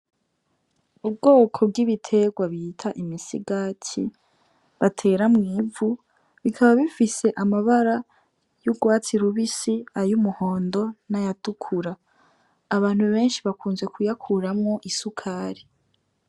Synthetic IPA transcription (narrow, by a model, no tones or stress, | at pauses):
ub̚ɡo̞ːkʰo̞b̚ɡiβitʰe̞ɡwaβiːtʰaʔimisḭɡacʰḭ | βatʰe̞ːɾamŋiːvu | βikʰaβaβifise̞ʔamaβaɾa | juɡwaːt͡siɾuβisiajumuho̞ːndo̞najatukʰuɾaː | βaːn̥huβe̞ːnʃiβakuːnzwe̞kʰujakʰuɾamŋo̞ʔisukʰaːɾi